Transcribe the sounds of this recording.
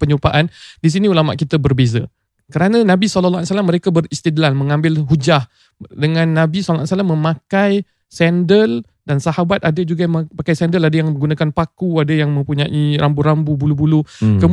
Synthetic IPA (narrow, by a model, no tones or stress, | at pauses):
pəɲupaʔandis̬iniulama̰ʔkit̪abərbeza̰ | kəɾanãnãbisɔləlːa̰lsalamːəɾekabərist̪idlanmə̃ŋãmbɪlɦud͡ʒah | dəŋãnːãbisɔllːasalamːə̃mãkaj | sɛndəl | dansahabat̪adad͡ʒuɡajmpakajsɛndəladajaŋəɡunakanpakuadajaŋmə̃mpuɲaʔiɾambuɾambubulubulukə